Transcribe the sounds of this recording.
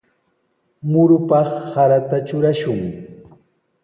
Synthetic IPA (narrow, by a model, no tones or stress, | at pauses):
mʊɾʊpɑχhaɾat̪at͡ʃʊɾaʃʊŋ